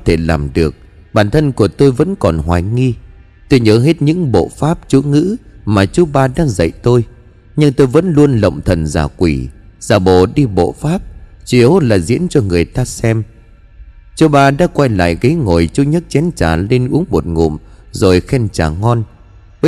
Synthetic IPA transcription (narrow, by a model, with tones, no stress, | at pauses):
t̪ʰe˧˩laː˨˩mɗɨ˨˩ək̚ɓaː˨˩nt̪ʰə˧nku˧˩ət̪o˧jvə̰˧˥nkɔ˨˩nɦwaː˨˩jŋi˧ | t̪o˧jɲəː˨˦ɦe˦˥t̚ɲɨ̰˧˥ŋɓo̰˧˨faː˦˥p̚t͡ɕu˨˦ŋɨ̰˧˥maː˨˩t͡ɕu˨˦ɓaː˧ɗa̰ː˧˥zə̰˧˨jt̪o˧j | ɲɨ˧ŋt̪o˧jvə̰˧˥nlu˧ənlə̰˧˨wŋ͡mt̪ʰə˨˩nzaː˨˩kwi˧˩z̥aː˨˩ɓo̰˧˨ɗi˧ɓo̰˧˨faː˦˥p̚t͡ɕi˨˦əwlaː˨˩zḭ˧˥ənt͡ɕɔ˧ŋɨ˨˩əjt̪aː˧sɛ˧m | t͡ɕo˨˦ɓaː˧ɗa̰ː˧˥kwa˧jla̰ː˧˨jɣə˨˦jŋo˨˩jt͡ɕu˨˦ɲə˦˥t̚t͡ɕɛ˨˦nt͡ɕaː˨˩le˧nʔu˨˦əŋmo˨˩t̚ŋṵ˧˨m | zo˨˩jxɛ˧nt͡ɕaː˨˩ŋɔ˧n˦